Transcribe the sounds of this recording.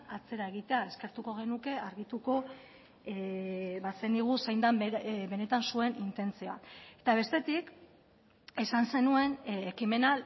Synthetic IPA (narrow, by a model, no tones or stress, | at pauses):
at͡se̞ɾae̞ɣ̞it̪e̞ae̞ske̞ɾt̪uko̞ɣ̞e̞nuke̞aɾɣit̪uko̞ | βaseniɣ̞usejnd̪ambe̞ne̞t̪ansue̞nint̪e̞nt͡sioa̰e̞t̪aβ̞e̞st̪e̞t̪ik | e̞sanse̞nue̞nekime̞nal